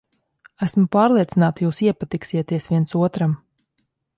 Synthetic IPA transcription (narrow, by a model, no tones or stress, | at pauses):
æsmʊpaːɾlˠiɛt̪sinaːt̪juːsiɛpat̪iksiɛt̪iɛsviɛnsuɔt̪ɾam